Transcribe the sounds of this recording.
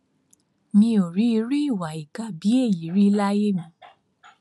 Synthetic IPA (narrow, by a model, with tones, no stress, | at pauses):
mĩ˧o˨ɾi˨˦i˧ɾi˦i˦˨wa˨i˨ka˨bi˨˦e˦˨ji˨˦ɾi˦la˦je˦mĩ˨˦